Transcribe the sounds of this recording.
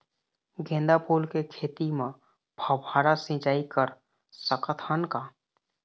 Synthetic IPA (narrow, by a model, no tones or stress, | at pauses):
ɡʱẽːnd̪apuːlkekʰeːt̪imẽ | bʱəbʱaːɾasĩːt͡ʃaːikəɾ | səkət̪ʰənka